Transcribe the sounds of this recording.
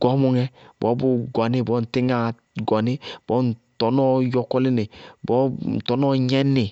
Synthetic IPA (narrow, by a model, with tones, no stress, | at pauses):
ɡ̥ɔ˨˦mu˨ŋɛ˦bo̰˨˦bu˦ɡɔ˨ni˦˨bɔ˦n̩˨ti˦ŋa˨ | ɡɔ˨ni˦b̥ɔ˦n̩˨tɔ˨nɔ˦jɔ˨kɔ˦li˦ne˨bɔ˦n˨tɔ˨nɔ˦ɲɛ˦ni˨